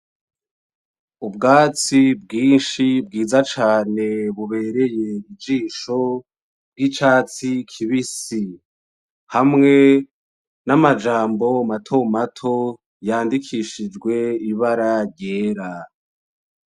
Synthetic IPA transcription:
ubɡaːt͡sib̚ɡiːnʃibɡiːzat͡ʃaːne̞βuβe̞ːɾe̞je̞id͡ʒiːʃo̞ | bɡit͡ʃaːt͡sikʰiβisi | hamŋe̞ | namad͡ʒaːmbo̞matʰomatʰo̞ | jaːndikʰiʃid͡ʒɡwe̞iβaɾaɾjeːɾa

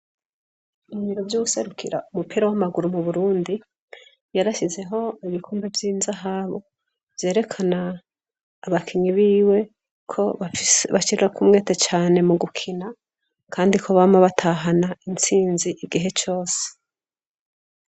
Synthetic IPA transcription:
umiɾovjuːɡuse̞ɾukʰiɾa̰ʔumupiːɾawamaɡuɾumuβuɾuːndi | jaɾaʃize̞ɦo̞iβikʰuːmbevjiːnzaɦaβo | v̥je̞ːɾe̞kʰanaː | βakʰiɲiβiːwe̞ | kʰo̞ββaʃiɾiɾakʰumŋe̞ːtet͡ʃaːne̞muɡukʰina | kʰaːndikʰo̞βamaβatʰaɦanaint͡siːnziʔiɡiɦe̞t͡ʃo̞ːse̥

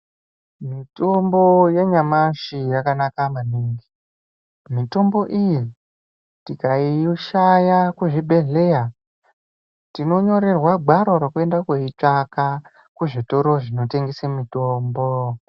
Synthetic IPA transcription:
mitombo̞je̞ɲamaʃijakanakamaniŋɡi | mito̞mbo̞ʔiji | tikaiʃajakuʐibʱe̞ɮe̞ja | tino̞ɲo̞ɾe̞rwaɡ͡bʱaɾoɾokue̞ndakweit͡ʂaka | kuʐito̞ɾo̞ʐino̞teŋɡesemito̞ːmbo

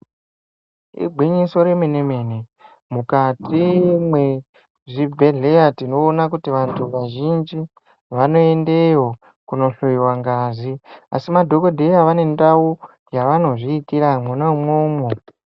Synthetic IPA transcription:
ḭbʱwiɲiso̞ɾemene̞me̞ne | mukatʰimwe | ʐibʱeɮe̞jatino̞ːnakutiʋantʰuʋaʒind͡ʒi | ʋano̞e̞nde̞jo̞ | kuno̞ɬoiwaŋɡazia̰simadʱo̞kodʱe̞jaʋane̞ndau | jaʋano̞ʐiːtiɾamunaumoːmo

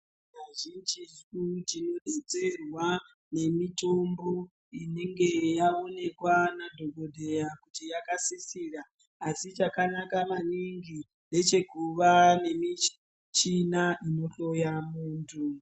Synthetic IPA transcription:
naʒind͡ʒizut͡ʃino̞ɗet͡se̞rwa | ne̞mito̞mbo̞ | ine̞ŋɡe̞jao̞ne̞kwanadʱo̞ɡʱo̞dʱe̞jakutijakasisiraː | sit͡ʃakanakamaniŋɡi | ne̞t͡ʃe̞kuʋane̞mi | t͡ʃinaʔino̞ɬo̞jamuːntʰu

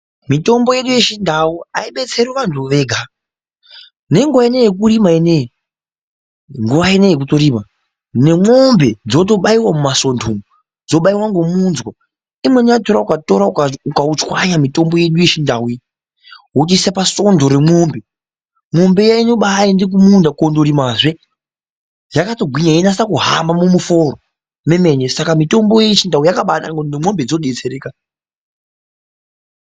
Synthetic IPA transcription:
mito̞mbo̞je̞ɗujeʃindʱawuaiɓe̞t͡se̞ɾiʋantʰuʋe̞ɡʱa | ne̞ŋɡuʋaenejek̬urimaeneje | ŋɡuʋaenejek̬utoɾiːma | ne̞mombe̞d͡zo̞t̬o̞ɓaiwamumaso̞ndʰʱomu | d͡zo̞ɓaiwaŋɡomunzwa | imwe̞niato̞ɾaukato̞ɾauukaut͡ʃwaɲamito̞mbo̞je̞ɗujeʃindʱawi | wot͡ʃisapaso̞ndo̞ɾe̞moːmbe | mo̞mbe̞jainoɓajindik̬umundakondoɾimaʐe | jakatoɡʱwiɲainasakuɦambamumuforo | me̞me̞ɲesakamito̞mbo̞jet͡ʃindawijakaɓana̰ŋɡonimo̞mbed͡zoɗet͡seɾeːka

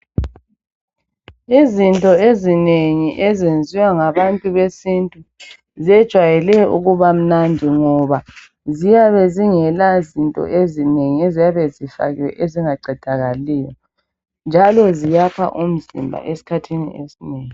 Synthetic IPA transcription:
izintʼɔezineŋiʔɛzend͡zʱiwaŋaβantʼuβesintʼu | zɛd̥ʒ̥ʱwajɛlɛṵɣuβam̩nandʱiŋɔβa | zijaβɛziŋɛlazintʼɔ̰ʔezineŋiezijaβɛzifa̰ɣiwɛ̰ʔeziŋaɡ͡ǀʱɛd̥ʱaɣalɛːjɔ | nd͡ʒʱalɔzijapʰa̰ʔum̩zḭmbʱa̰ʔesi̥kʰatʰinḭʔesineːŋi

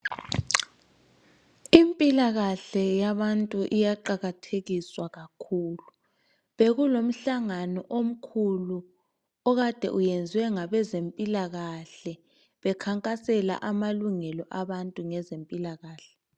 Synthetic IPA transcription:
impʼilaɣaɬɛjaβantʼuʔijaǃaɣatʰeɣiswaɣakʰuːlu | βeɣulom̩ɬaŋanɔʔom̩kʰulu | ɔɣad̥ʱɛ̰ʔujend͡zʱiwɛŋaβɛzempʼilaɣaɬɛ | βɛkʰaŋkʼasɛla̰ʔamaluŋɛlɔʔaβantʼuŋɛzempʼilaɣaːɬɛ̥

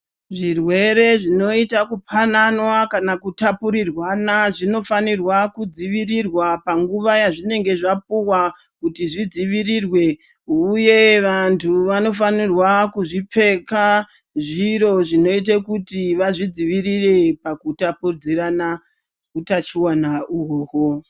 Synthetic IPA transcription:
ʐirwe̞ɾe̞ʐino̞itakupʰananwakanakutapuɾirwanaʐino̞fanirwakud͡ziʋirirwapaŋɡuʋajaʐine̞ŋɡe̞ʐap̚uwa | kutiʐid͡ziʋirirwe̞ | uje̞ʋantʰuʋano̞fanirwakuʐip͡fe̞ka | ʐiɾo̞ʐino̞it̬ekutiʋaʐid͡ziʋirire̞pakutapurd͡zirana | utat͡ʃiwanauɦoːɦo

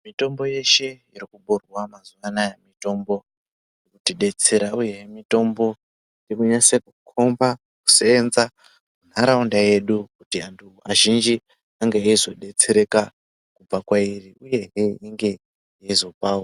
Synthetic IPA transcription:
mito̞mbo̞je̞ʃe̞ | irikuɓurwamazuʋanajemito̞mbo̞ | kutiɗe̞t͡se̞ɾauje̞ɦemito̞mbo̞ | ndikuɲasekukʰo̞mba | ku̥seːnza | mun̤aɾaundaje̞ɗukutiantʰuaʒind͡ʒi | aŋɡeaizo̞ɗe̞t͡seɾe̞ka | kub͡vakwairiuje̞ɦeiŋɡe̞ | jaizo̞paːwo

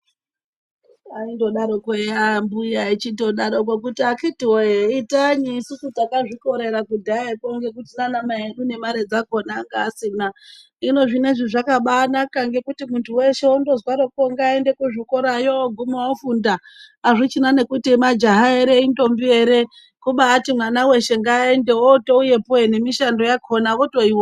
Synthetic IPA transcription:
aindo̞ɗaɾokwejambujait͡ʃindo̞ɗaɾo̞k̬wekutiakitiwoeitaɲiːsusutakaʐiko̞ɾe̞ɾakudʱaekoŋɡe̞kutinanamaeɗune̞maɾe̞d͡zakonaŋɡasina | ino̞ʐineʐiʐakaɓaːnakaŋɡe̞kutimuntʰuwe̞ʃeondo̞zwaɾokoŋɡaendekuʐikoɾajoɡʱumoafundaː | ʐit͡ʃinane̞kutimad͡ʒaɦaeɾeindo̞mbieɾe̞ | kuɓaːtimwanawe̞ʃe̞ŋɡaːendeotouje̞poene̞miʃando̞jakʰonaʋotoiwo

